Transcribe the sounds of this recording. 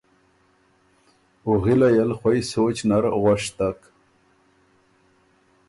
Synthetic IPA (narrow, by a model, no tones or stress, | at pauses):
uɣilajalxwajsoːt͡ɕnaɾɣaʂt̪ak